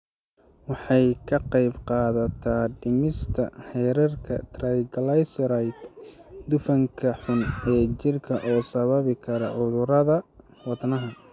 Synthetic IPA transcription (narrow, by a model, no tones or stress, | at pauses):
wɑħɑjkʰɐqɑjbqɑːðɐt̪ʰaɖɪmɪst̪ʰɐ̰hɛːɾɐrkʰɐ̰t̪ʰrɛjɡlajsɾajt̪d̪ʊfɐŋkʰɐħʊnɛːt͡ʃɪrkʰɐʔɔːsɐβɐβɪkʰɐɾɐʕʊðʊɾɐðɐ | wɑd̪nɐɦɐ